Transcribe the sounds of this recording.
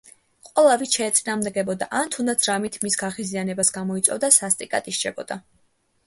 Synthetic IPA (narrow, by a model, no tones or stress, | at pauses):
qʼwɛlˠavitʃɛːt̪sʼinaːʁmd̪ɛɡɛbɔd̪a̰ʔant̪ʰund̪at̪sʰɾamit̪ʰmisɡaʁizianɛbasɡamɔit̪sʼɔ̰vd̪asast̪ʼikʼa̰t̪ʼiʃt͡ʃʰɛbɔ̰d̪̥a